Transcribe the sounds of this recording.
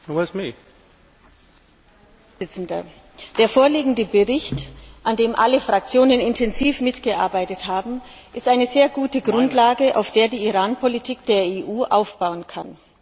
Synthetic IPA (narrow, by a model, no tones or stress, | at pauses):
wɔsmi | ɪt͡sn̩dɐ | d̥eːɐfoːɐliːɡŋ̩dəbəʁɪçtʔandeːmʔaləfʁ̥ak̚t͡sjoːnənɪntʰɛnziːfmɪtɡ̥əʔa̰ɐbaɪtəthaːbm̩ | ʔɪstaɪnəzeːɐɡuːtəɡʁʊntlaːɡəʔa̰ʊfd̥eːɐdiːiʁaːnpʰɔlitʰiːkd̥eːɐeːʔuːʔaʊfb̥aʊənkʰan